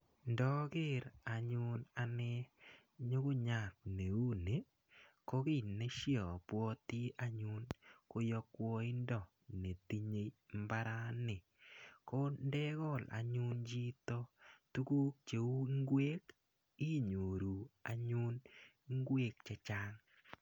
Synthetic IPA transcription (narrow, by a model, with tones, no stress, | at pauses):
ndɔ˦ɡɪ˦ɾa˨ɲʊ˦na˨nɛ˦ | ɲo˦ko˦ɲa˨k̚ne˨u˦ne˨˦ | ko˦kɪ˦˨ne˦ʃjɔ˨pwɔ˦ti˦ʔa˨ɲʊ˦nko˦jɔ˦kwɔ˦i˦ndɔ˦˨ | ne˨t̪i˦ɲe˦mba˦ɾa˦nɪ˨ | ko˦ndɛ˦ɣɔ˦˨lʔa̰˨ɲʊ˦nd͡ʒi˦tɔ˦tu˦ku˦k̚t͡ʃe˨u˦ŋɡwe˦k | i˦ɲo˨ɾu˨a̰˨ɲʊ˦n | ŋɡwe˦k̚t͡ʃɛ˦t͡ʃa˦ŋ